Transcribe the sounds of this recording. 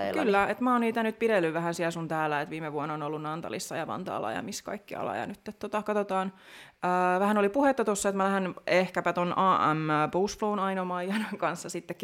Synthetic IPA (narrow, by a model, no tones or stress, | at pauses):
kylːæet̪mæonniːt̪ænyt̪̚piɾelːyʋʋæhænsiɛlsunt̪æːlːæet̪ʋiːmeʋuonːonolːunnɑnt̪ɑ̰lḭsːɑjɑʋɑ̰nt̪ɑ̰ːlːɑ̰jɑ̰miskɑ̰ikːiɑ̰lɑ̰jɑ̰nyt̪ːet̪t̪ːot̪ɑkɑt̪ot̪ɑːn | əːʋæhænolipuhet̪ːɑt̪osːɑet̪mælæhænehkæpæt̪onɑːʔæ̰mboːsflounɑinomɑijɑnɑŋkɑnsːɑsit̪ːek